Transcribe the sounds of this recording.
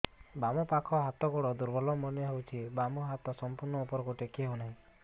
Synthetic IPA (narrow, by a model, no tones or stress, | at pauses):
bamɔpakʰɔɦat̪ɔɡɔɽɔd̪uɾbɔlɔmɔnjɔɦewt͡ʃʰibamɔɦat̪ɔsɔmpuɾnɔupɔɾɔkuʈekiɦewnaɦĩ